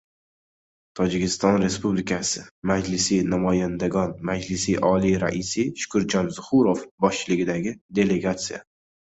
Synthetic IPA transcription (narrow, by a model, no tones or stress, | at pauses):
t̪ʰɒd͡ʒɪkʲɪst̪ɒnɾe̞spublɪkʰasɪmad͡ʒlɪsinamɒjand̪aɡɒnmad͡ʒlɪsiʔɒliɾa̰ʔisiʃʊ̥kʰʊɾd͡ʒɒnzʊχʊɾofbɒʃt͡ʃʰɪlɪɡʲɪd̪aɡʲɪd̪e̞le̞ɡat̪sija̰